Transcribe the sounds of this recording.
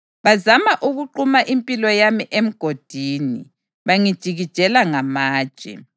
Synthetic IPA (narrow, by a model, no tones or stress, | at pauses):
βazamaʔuɣuǃumaʔimpʼilɔjamiʔem̩ɡ̥ʱod̥ʱiːnḭ | βaŋid̥ʒ̥ʱiɣid̥ʒ̥ʱɛlaŋamaːd̥ʒ̥ʱɛ̰